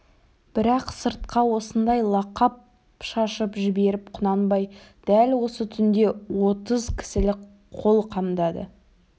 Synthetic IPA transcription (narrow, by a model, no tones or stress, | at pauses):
b̥ɪɾɑqsəɾt̪̚qɑwo̞sənd̪ɑjlˠɑqɑp̚ | ʃɑʃəpʒɪbe̞ɾɪpqʰʊnɑnbɑjd̪̥ælwo̞sət̪ʰʏnd̪e̞wo̞t̪əzkʲʰɪ̥sɪlɪ | qʰːo̞lˠqʰɑmd̪ɑd̪ə̰